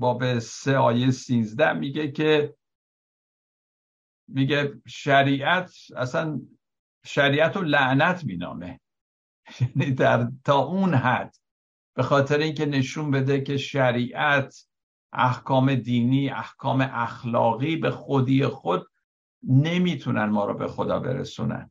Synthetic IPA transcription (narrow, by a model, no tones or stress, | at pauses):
bɒːbeseɒːjejesiːnzd̪æhmiːɟe̞kʰe | miɟe̞ʃæɾiːʔæt̪ʰæ̰sæn | ʃæɾiːʔæt̪olæʔnæt̪ʰmiːnɒ̰ːme̞ | jæniːd̪æɾt̪ʰɒːʔunɦæd̪̥ | b̥e̞xɒːt̪ʰe̞ɾeiːŋce̞ne̞ʃunbe̞d̪e̞kʰe̞ʃæɾiːʔæt̪ʰ | ʔæ̰hkʰɒːme̞d̪iːniːʔæ̰hkʰɒːme̞ʔæxlɒ̰ːɣiːbe̞xod̪iːexod̪̚ | ne̞miːt̪ʰunænmɒːɾɒ̰ːbḛxod̪ɒ̰ːbe̞̰ɾḛsṵːnæ̰n